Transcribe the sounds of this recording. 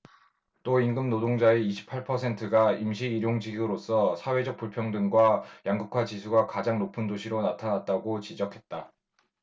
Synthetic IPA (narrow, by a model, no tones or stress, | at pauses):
t͈oinɡɯmnodoŋd͡ʑaeiɕʰi̥pʰaɭpʰʌsʰe̞ntʰɯɡaimɕʰiːɾjoŋd͡ʑiɡuɾos͈ʰʌsʰawe̞d͡ʑʌk̚p͈uɭpʰjʌŋdɯŋɡwajaŋɡukʰwat͡ɕisʰuɡakad͡ʑaŋnopʰɯndoɕʰiɾonatʰanat̚t͈aɡot͡ɕid͡ʑʌkʰe̞t̚t͈a